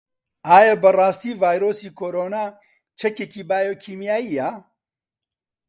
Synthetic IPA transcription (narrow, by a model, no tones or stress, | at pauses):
aːjɛbərˤɑːst̪iːvaːjɾoːsiːkʰoːɾoːnaː | t͡ʃʰɛkekiːbaːjoːkʰiːmjaːjiːja